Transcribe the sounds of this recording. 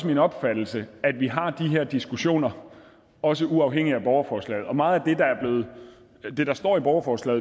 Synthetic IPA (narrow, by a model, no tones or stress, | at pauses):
smenɒ̽b̥fæd̥l̩səæd̥ʋiɦɑ̈d̥iɦeɐ̰d̥isɡ̥uɕo̝̰ːnɐ | ɒ̽s̬əʔuɑ̈ʊɦeŋ̰iæb̥ɒʊɐfɒːslɛ̰ːð̞̩ˠɒ̽mɑ̈ːð̩ˠæd̥e̝d̥ɑ̈æɐb̥le̝ːð̩ˠ | d̥e̝ɾ̥ɑ̈sd̥ɒ̰ːib̥ɒʊɐfɒːslɛ̰ːð̩